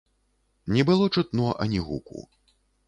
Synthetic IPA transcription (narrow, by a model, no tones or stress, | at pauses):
nʲɛbɨlˠɔt͡ʂɨt̪nɔʔɐ̰nʲiɣṵkṵ